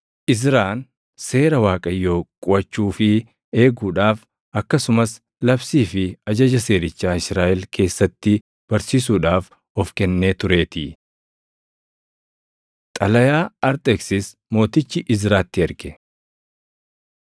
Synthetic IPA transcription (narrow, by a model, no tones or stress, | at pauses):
ʔɪzɾaːn | se̞ːɾɐwaːkʼɐjːo̞ːkʼʊʔɐt͡ʃːuːfɪ | e̞ːɡuːᶑaːf | ɐkːɐsʊmɐs | lɐbsiːfɪɐd͡ʒɐd͡ʒɐse̞ːɾɪt͡ʃːaːɪsɾaːʔɛlkʰe̞ːsːɐt̪ːɪ | b̥ɐɾsiːs̬uːᶑaːf | ɔfkɛnːe̞ːt̪ʊɾe̞ːt̪ɪ | t̪ʼɐlɐjaːɐɾt̪ʼɛksɪs | mo̞ːt̪ɪt͡ʃːɪʔɪzɾaːt̪ːɪɐɾɡɛ